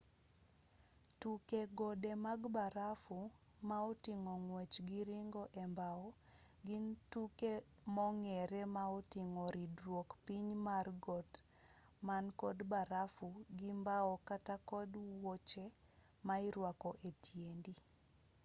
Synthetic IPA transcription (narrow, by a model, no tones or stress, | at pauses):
tukeɡɔdemaɡbaɾafu | maɔtiŋɔŋwɛt͡ʃɡiɾiŋɡɔʔɛmbaɔɡintukemɔŋɛɾɛmaotiŋɔɾidrwokpiɲmarɡɔt | mankɔdbaɾafuɡimbaɔkatakɔdwot͡ʃe | maɪɾwakɔʔetjendi